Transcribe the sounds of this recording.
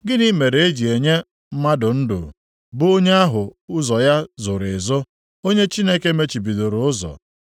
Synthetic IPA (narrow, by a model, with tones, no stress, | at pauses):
ɡɪ˦ni˦me˨ɾe˨e˦d͡ʒi˨e˨ɲe˦ | m̩˦ma˦dʊ˨n̩˦dʊ̰˨ | bʊ˦o˦ɲe˦a˦ɦʊ˨ʊ˦zɔ˨ja˦zʊ˨ɾɪ˨zʊ˦ | o˦ɲe˦t͡ʃi˦ne˦ke˦me˦t͡ʃi˨bi˨do˨ɾʊ˨ʊ˦zɔ̰˨